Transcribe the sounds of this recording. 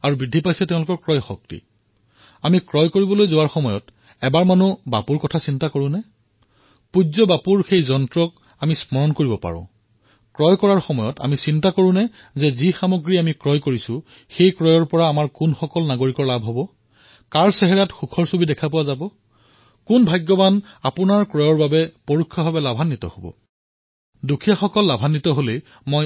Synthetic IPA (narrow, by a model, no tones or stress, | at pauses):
aɹubɹidʱːipajsɛtɛ̃ʊlʊkɔɹkɹɔjxɔk̚tḭ | amikɹɔjkoɹibɔlojzowaɹxɔmɔjɔt | ɛbaɹmanuba̰puɹkɔtʰasintakoɹʊ̃nɛ | puzɔbapuɹxejzɔntɹɔk̚ | amismɔɹɔnkoɹibɔpa̰ɹʊ̰̃ | kɹɔjkɔɹaɹxɔmɔjɔta̰misintakoɹʊ̃nɛ | zɛzixamoɡɹiamikɹɔjkoɹisʊ̃ | xejkɹɔjɔɹpɔɹaːmaɹkʊnxɔkɔlnaɡoɹikɔɹlabʱɦɔbɔ | kaɹsɛɦɛɹatxukʰɔɹsobidɛkʰapʊwazabɔ | kʊnbʱajɡːɔbanapʊnaɹkɹɔjɔɹbabɛpoɹukʰːɔbʱabɛlabʱanːitɔ̰hobɔ̰ | dukʰijaxɔkɔlːabʱanːitɔɦole | moj